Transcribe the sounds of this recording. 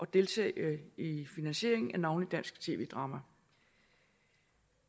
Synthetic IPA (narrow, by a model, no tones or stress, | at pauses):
ʔɒ̽d̥e̝lt͡sʰɛ̰ːifinænɕe̝ɐ̰e̝ŋn̩ænɑ̈ʊnlid̥æn̰sɡ̥t͡sʰe̝̰ːʋe̝̰ːd̥ʁɑ̈ːmæ